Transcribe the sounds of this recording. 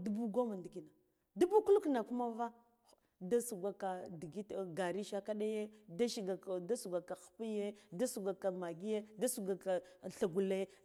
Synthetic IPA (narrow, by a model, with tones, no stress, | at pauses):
du˦bu˦ɡo˦ma˨ndi˨ki˦na˨ | du˦bu˦ku˦lu˦kna˨ku˦ma˦va˦ | da˦su˨ɡa˨ka˨di˨ɡi˦tɡa˨ɾi˦ʃa˦ka˦ɗa˦je˦da˦ʃi˨ɡa˨da˦su˨ɡa˨ka˨xpi˦je˦da˦su˨ɡʷa˨ka˨ma˨ɡi˦je˦da˦su˨ɡa˨ka˨ɬa˨ɡu˨le˦